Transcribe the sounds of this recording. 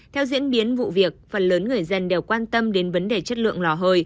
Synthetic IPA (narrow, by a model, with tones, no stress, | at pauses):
t̪ʰɛ˧wzḭ˧˥ənɓi˨˦ənvṵ˧˨vi˨˩ək̚fə˨˩nləː˨˦nŋɨ˨˩əjzə˧nɗe˨˩wkwaː˧nt̪ə˧mɗe˨˦nvə˨˦nɗe˧˩t͡ɕə˦˥t̚lɨ̰˧˨əŋlɔ˨˧˩ɦəː˨˩j